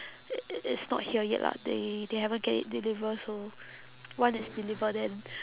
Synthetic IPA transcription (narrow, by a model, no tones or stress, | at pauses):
ɪtsnɔ̰t̚hiəjɛ̰ʔla̰sdedehɛvə̃nɡɛtɪ̰t̚dilivəso | wãnɪtsdilivədɛ̃n